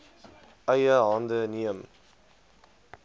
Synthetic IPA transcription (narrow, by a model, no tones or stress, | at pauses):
ɐjɐaːnd̪əniəm